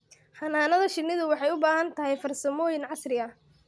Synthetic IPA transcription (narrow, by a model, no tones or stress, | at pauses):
hɑnaːnɐðɐʃɪnːɪðʊwɑħɑjʊbaːhɐnt̪ʰɐɦɛjfɐrsɐmɔːjɪnʕɑsrɪɐ